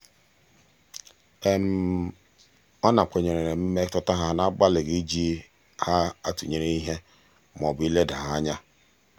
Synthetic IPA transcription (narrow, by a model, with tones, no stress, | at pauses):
e˦m̩˦˨˦ | ɔ˦na˨k͡pʷe˨ɲe˨ɾe˨ɾe˨m̩˦me˦tɔ˦ta˦ɦa˦na˦ɡ͡ba˦lɪ˨ɡi˦d͡ʒi˦ | ha˦a˦tu˨ɲe˦ɾe˦i˦ɦe˦ | m˨ɔ˨bi˦le˦da˨ɦa˦ɲa˦